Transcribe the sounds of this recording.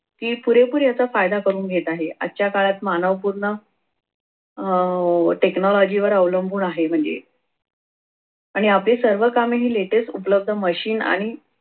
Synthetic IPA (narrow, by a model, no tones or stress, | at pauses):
k̪iːpuɾepuːɾjat͡safajd̪akəɾuːnɡʱet̪aɦea̰ːɕjakaɭat̪manəʋpuɾɳə | ʈeknɔlɔd͡ʑiʋəɾəʋləmbʱuːnaɦem̤əɳd͡zḛ | aɽ̃iaplesəɾʋəkameɦiːleʈesʈupləb̚d̪ʱəməɕiːna̰ɽ̃i